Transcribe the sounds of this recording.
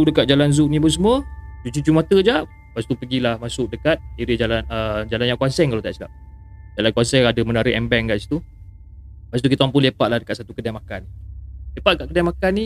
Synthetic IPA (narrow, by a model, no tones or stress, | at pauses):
udəkat̪̚d͡ʒalanzuʔnĩbəs̬əmuət͡ʃut͡ʃud͡ʒumat̪əd͡ʒaʔ | paʔst̪upəɡilahmasʊʔ̚dəkat̪̚iɾəd͡ʒalanəd͡ʒalanjãŋkuasɛŋkalaot̪aʔsilap̚ | d͡ʒalankuasɛŋadəmənaɾiʔɛmbɛŋkaʔsi̥t̪u | paʔst̪ukit̪aampunlepaʔlahdəkat̪sat̪ukədamakanilepaʔ̚dəkaʔ̚kədɛmakanːi